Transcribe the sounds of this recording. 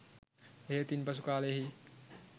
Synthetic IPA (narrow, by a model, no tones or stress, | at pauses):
ɦet̪inpəs̬ukaːleɦi